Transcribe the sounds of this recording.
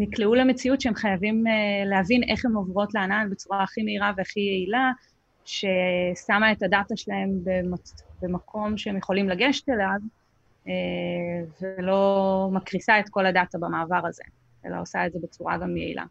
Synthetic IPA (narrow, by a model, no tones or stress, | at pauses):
nikleuleme̞t͡siutʃeemχajavimeleɦavinʔe̞χhe̞movʁo̞tleananbet͡suʁaaχimeiʁaveaχijeila | ʃe̞samae̞tadataʃelaɦe̞mbemabemakʰo̞mʃeemjeχo̞limlaɡeʃtelav | e | velo̞makʁisaet̪ko̞ladatabamaːvaʁaze̞̰ | ʔḛla̰o̞saetze̞bet͡suʁa̰ɡamjḛḭlʔa̰